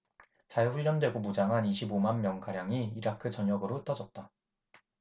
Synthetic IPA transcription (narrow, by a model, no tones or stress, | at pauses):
t͡ɕajɸuʎːʌndwe̞ɡomud͡ʑaŋɦaniɕʰibomanmjʌŋɡaɾjaŋiːɾakʰɯt͡ɕʌɲjʌɡɯɾoɯt͈ʌd͡ʑʌt̚t͈a